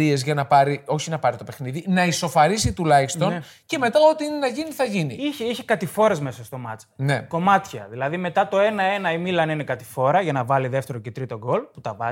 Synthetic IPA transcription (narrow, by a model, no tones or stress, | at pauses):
ie̞zʝɐnɐpɐɾio̞çinɐpɐɾit̪o̞pe̞xniðinɐiso̞fɐɾisit̪ulɐçist̪o̞n | ce̞me̞t̪ɐo̞t̪inenɐʝiniθɐʝinḭiçeiçekɐt̪ifo̞ɾe̞zmesɐst̪o̞mɐt͡sne̞ko̞mɐt̪çɐ̰ðilɐðime̞t̪ɐt̪o̞e̞nɐe̞nɐimilɐninekɐt̪i̥fo̞ɾɐʝɐnɐvɐliðe̞ft̪e̞ɾocet̪ɾit̪o̞ɡo̞lput̪ɐvɐ